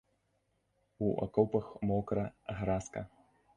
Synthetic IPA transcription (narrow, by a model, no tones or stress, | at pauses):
uʔɐ̰kɔwpɐxmɔkɾɐɣɾaskɐ̰